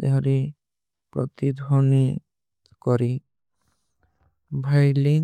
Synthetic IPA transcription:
eɦɔɾi | pɾɔ̰t̪id̪ʱɔni | kɔɾi | bʱajli

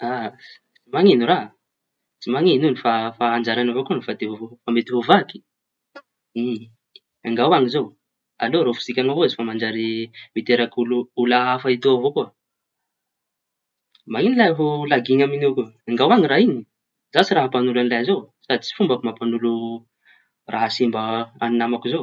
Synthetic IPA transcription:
a | t͡simaŋinura | t͡simaŋinunifafaːnd͡ʒaɾanavokunfad̪evovofamet̪ivovaki̥ | i | aŋɡawaŋizo | a̰loɾofi̥z̥ikʲaŋavoizifamand͡ʒaɾimit̪eɾakuluulaafait̪uavokuə | mainilajɦolaɡiŋaminewkuaŋɡawaŋiraini | z̥asiraɦapanulanilajazowsad̪it͡si̥fumbakumapanulu | rʔaɦasimbaaninamakuzo

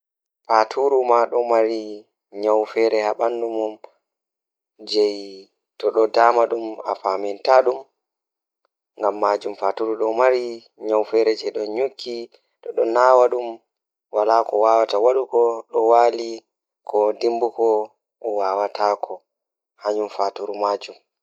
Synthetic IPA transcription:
fatʰuɾumaɗɔmaɾi | ɲawfɛɾɛhaɓandumum | d͡ʒɛj | tɔɗɔdaːmaɗuma̰famɛntaɗum | ŋɡamːad͡ʒumfatuɾuɗɔmaɾi | ɲawfɛɾɛd͡ʒɛjɗɔɲukʰːi | ɗɔɗɔnaːwaɗum | walakɔwawatawaɗukɔɗɔwaːli | kʰɔdimbukɔ | ɔwawatʰaːkʰɔ | haɲumfatuɾumaːd͡ʒum

